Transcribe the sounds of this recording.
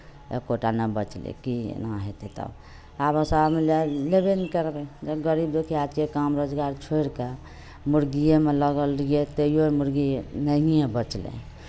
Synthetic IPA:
ḛkoʈanəbət͡ʃlḛkinaɦet̪et̪ə̰ | abəsaɾmelalebenikəɾbed͡ʒeɡəɾibd̪ekʰiad͡ʒekamɾod͡ʒɡaɾt͡ʃʰoiɾke | muɾɡijemeləɡəlijet̪eijoɾmuɾɡinəɦijẽbət͡ʃlḛ

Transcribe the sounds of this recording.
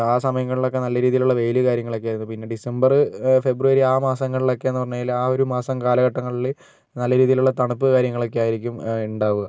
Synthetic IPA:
aːsɐmɐjɐŋːɐɭiɭo̞kːe̞nɐlːɐɾiːðijiluɭːɐʋe̞jlɨkaːɾjɐŋːɐɭok̬ːeaːiɾunːupinːe̞ɖisembɐrɨfe̞bruʋɐɾiaːmaːsɐŋːɐɭiɭo̞kːe̞enːɨpɐrɐɲːaːjilaːo̞ɾumaːsɐmkaːlɐɣɐʈːɐŋːɐɭil | nɐlːɐɾiːðijiluɭːɐt̪ɐɳupːɨkaːɾjɐŋːɐɭo̞kːeaːjiɾikʲːumuɳɖaːʋuɣɐ

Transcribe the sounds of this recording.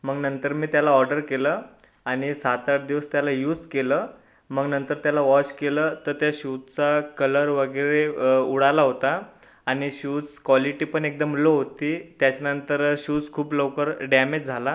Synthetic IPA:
məɡnənt̪əɾmiːt̪jalaɔɾɖəɾkeləː | aɽ̃isat̪aʈd̪iʋəst̪jalajuːd͡zkeləː | məɡnənt̪əɾt̪jalaʋɔt͡ɕkeləːt̪əɾt̪jaɕut͡st͡sakələɾʋəɡəɾeuɽalaɦot̪aː | ɽ̃iɕut͡skʋɔliʈiːpəɳek̚d̪əmloɦot̪iːt̪jat͡ɕanənt̪əɾɕut͡skʰuːplowkəɾɖamed͡ʑd͡zʱala

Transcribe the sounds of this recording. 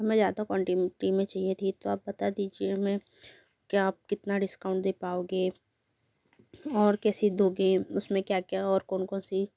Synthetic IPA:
ɦɐmẽzjaːd̪akɔ̃ːɳʈimʈimẽt͡ʃaːɦiet̪ʰit̪oaːp̚bɐt̪ad̪iːd͡ʒiemẽ | kiaːp̚kɪt̪naɖɪskaːʊ̃ɳʈ̚d̪eːpaːoːɡeː | ɔːɾkɛːsid̪ʱoːɡẽʊsmẽkjaːkjaɔːɾkɔːnkɔːnsi

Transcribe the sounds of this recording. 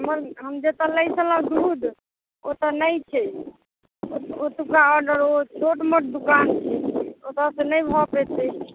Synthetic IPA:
ɦəməɾɦəmd͡ʒet̪ɔləjsʰələ̃ɡɾud̪ | ot̪ɔnəjt͡ʃʰɛ | oot̪ukaɔɖəɾot͡ʃʰoʈmoʈ̚d̪ukant͡ʃʰɛot̪asenəjbʱɔpet̪ɛ

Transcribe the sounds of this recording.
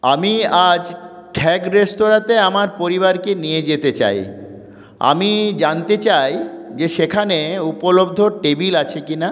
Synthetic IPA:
amiad͡ʑ | ʈʰɛkɾest̪oɾat̪eamaɾpoɾiβaɾkenijed͡ʑet̪et͡ɕa̰j | a̰mid͡ʑant̪et͡ɕajd͡ʑeʃekʰaneupolob̚d̪ʱoʈebilat͡ɕʰekina

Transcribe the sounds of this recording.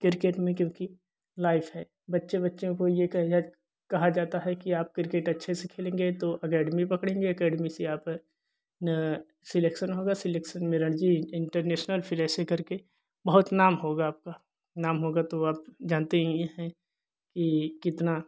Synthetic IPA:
kɪɾkeːʈmẽkjõːki | laːɪfɦɛː | bɐtːʃebɐtːʃõkojekɐɦd͡ʒaː | kɐɦad͡ʒaːt̪aɦɛkiaːp̚kɪɾkeːʈɐtːʃʰesekʰeːlẽːŋɡet̪oʔɐkɛːɖmipɐkɽẽːŋɡeɐkɛːɖmiseaːp | sɪleːkʃənɦoːɡasɪleːkʃənmẽɾəɳd͡ʒiɪ̃ɳʈəɾnɛːʃnəlfʰɪɾɛːsekɐɾke | bɐɦʊt̪naːmɦoːɡaːp̚ka | naːmɦoːɡat̪oaːpd͡ʒãːnt̪eɦɛ̃jeɦɛ̃ | kikɪt̪na

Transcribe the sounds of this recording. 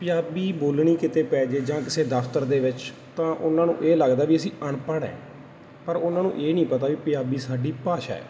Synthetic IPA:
pɪjaːbiːboːlɳiːkɪt̪eːpɛːd͡ʒeːd͡ʒãːkɪseːd̪əpʰt̪əɾd̪eːʋɪt͡ʃ | t̪ãːʔʊnãːnṵ̃ːʔeːləɡd̪aːʋiːəsĩːʔəɳpəɽɛ̰̃ː | pəɾʊnãːnṵ̃ːʔeːnĩːpət̪aːʋiːpɪjaːbiːsaːɖiːpaːʃa̰ːɛ̰ː

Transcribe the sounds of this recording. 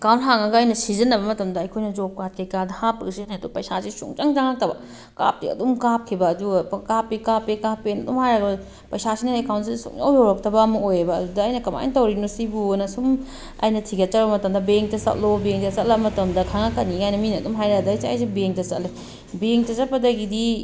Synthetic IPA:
kawntɦaŋɐɡɐɐjnɐsizɐnːɐβɐmɐtɐmdɐɐjkʰojnɐd͡ʒopkat̚kʰejkadɐhapːɐɡsiniɐdupɐjsasisṵŋt͡ʃɐŋzaŋɐk̚tɐbɐ̰ | ka̰p̚tḭɐ̰dumkap̚kʰibɐːdukapːikapːikapːenɐdumhajaɡɐ | pɐjsasinɐekawns̬issṵŋɐ̰wjowɾɐk̚tɐbɐːmɐkojebɐːdudɐːjnɐkɐma̰j̰ntɐwɾinosibunɐsum | ɐ̰jnɐtʰiɡɐtɐɾbɐmɐtɐmdɐbeŋtɐsɐ̰t̚lobeŋtɐsɐtlɐbɐmɐtɐmdɐkʰaŋakɐnːiajnɐminɐɐdumɦajɾaɡdɐjsɐ̰js̬ibeŋtɐsɐ̰tle | beŋtɐsɐpːɐdɐɡidi

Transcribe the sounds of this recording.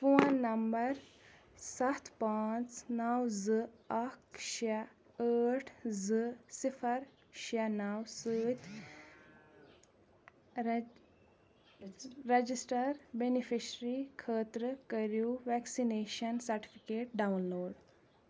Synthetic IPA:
fuːanːɐmbɐɾ | sɐt̪ʰpaːt͡snawzɨɐkʃa | əːʈʰzɨsifʰɐɾ | ʃanɐwsɨt̪ʰ | ɾed͡ʒisʈɐɾbenifʰiʃɾikʰəːt̪ɾəkəɾjuʋɛksineːʃɐnsɐɾʈi̥fʰikeːʈ̚ɖawnloːɖ

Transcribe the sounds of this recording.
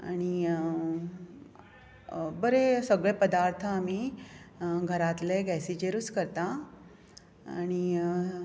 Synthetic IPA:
aɽ̃i | bəɾesəɡɭepəd̪aɾt̪ʰəam̤i | ɡʱəɾat̪leɡɛsit͡ɕeɾut͡skəɾt̪a | aɽ̃i

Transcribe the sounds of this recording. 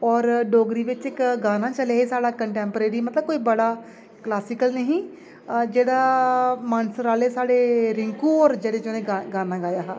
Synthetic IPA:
ɔːɾɖoːɡɾiːʋɪt͡ʃɪkɡaːnãːt͡ʃəleaɦeːsaːɽaːkəɳʈɛ̃ːmpɾeːɾiːmət̪ləb̚koːiːbəɽaː | klaːsɪkəlnəɦĩː | d͡ʒeːɽaːmaːnsəɾaːleːsaːɽeːɾɪŋkuːɔːɾd͡ʒeːɽeːd͡ʒoːnẽːaɡaːnãːɡaːjaːɦaː

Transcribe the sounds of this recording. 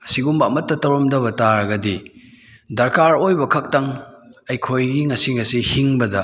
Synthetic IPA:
ɐsiɡumbɐɐmɐtːɐtɐwɾomdɐβɐtaɾɐɡɐdi | dɐɾkaɾojbɐkʰɐk̚tɐŋ | ɐjkʰojɡiŋɐsiŋɐsihiŋbɐdɐ

